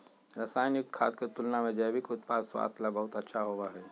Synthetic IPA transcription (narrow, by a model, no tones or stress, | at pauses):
ɾəsaːjnikkʰa̰ːt̪̚ket̪ulnamẽd͡ʒɛːbikʊt̪̚paːd̪swa̰ːst̪ʰlabɐɦut̪ɐtːʃʰaɦoːʋaɦɛ